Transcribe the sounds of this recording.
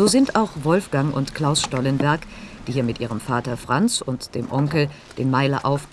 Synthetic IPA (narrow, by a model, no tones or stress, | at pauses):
zoːzɪntʔaʊxvɔlfɡ̥aŋʔʊ̰ntkl̥aʊsʃtɔlənvɛɐkd̥iːhiɐmɪtʔiːʁ̞əmfaːtɐfʁ̥ant͡sʊntd̥eːmʔɔŋkl̩ | d̥eːnmaɪlɐʔaʊf